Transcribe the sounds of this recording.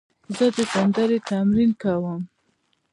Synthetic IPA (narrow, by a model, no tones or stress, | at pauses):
zəd̪əɡand̪aɾet̪amɾinkawəm